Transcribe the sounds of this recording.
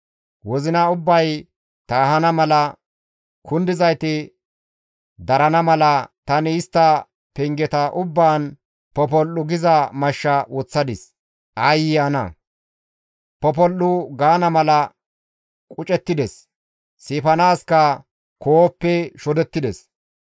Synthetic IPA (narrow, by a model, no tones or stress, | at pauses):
wɔzɪnɐʊbːɐj | t̪ɐːhɐnɐmɐlɐ | kʰʊnd̪ɪzɐjt̪ɪ | d̪ɐɾɐnɐmɐlɐt̪ɐnɪːst̪ːɐ | pɛŋɡɛt̪ɐʔʊbːaːn | pɔp̬ɔlːʊɡɪzɐmɐʃːɐwɔt͡sːɐd̪ɪs | ʔɐjɪjanɐ̰ | pɔp̬ɔlːʊɡaːnɐmɐlɐ | kʼʊt͡ʃʼɛt̪ːɪd̪ɛs | siːfɐnaːskɐ | koːpːɛʃɔd̪ɛt̪ːɪd̪ɛs